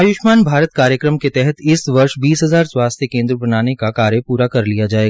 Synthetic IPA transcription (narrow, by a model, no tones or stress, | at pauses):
ajʊʃmaːnbʱaːɾət̪̚kaːɾjəkɾəmket̪ɛɦɛt̪ɪsʋɐɾʃbiːsɦɐzaːɾswaːst̪ʰjəkẽːnd̪ɾəbɐnaːnekakaːɾjəpuːɾakɐɾlijad͡ʒaːeːɡa